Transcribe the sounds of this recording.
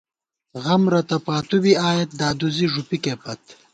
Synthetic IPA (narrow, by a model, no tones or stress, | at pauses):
ɣɐmɾɐt̪ɐpaːt̪ubiaːjet̪̚d̪aːd̪uziʐupikepɐt̪